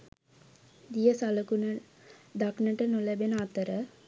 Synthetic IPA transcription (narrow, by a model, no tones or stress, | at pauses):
d̪ijəsaləkunə | d̪aknəʈənulæbenəat̪əɾə